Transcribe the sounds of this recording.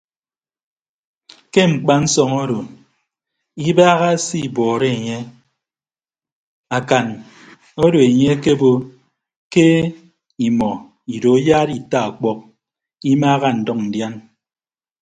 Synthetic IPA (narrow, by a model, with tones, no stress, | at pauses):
ke˦ŋ͡m̩˨k͡pa˦n̩˦sɔ˨ŋo˦ɾo˨ | i˦baː˦ɣa˦si˦˨bɔː˨ɾe˦e˨ɲe˦ | a˨ka˨n | o˦do˨e˨ɲe˦ke˦bo˦ | ke˦ | i˨mɔ˨ | i˨do˨˦jaː˦ɾi˨ta˦a˨k͡pɔ˦k̚ | i˦maː˦ɣa˦n̩˨dɔ˦k̚n̩˨dja˦n